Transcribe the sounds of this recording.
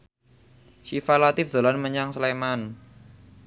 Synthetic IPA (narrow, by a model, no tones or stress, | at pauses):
ʃifalat̪ɪfd̪̥a̤lanməɲaŋsleman